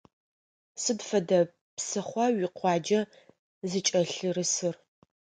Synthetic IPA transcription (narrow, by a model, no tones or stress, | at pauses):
sɨdfɐdɐ | psɨχʷɐɥɪqʷɑːd͡ʒɐ | zɨt͡ʃʼɐɬɨrɨsɨr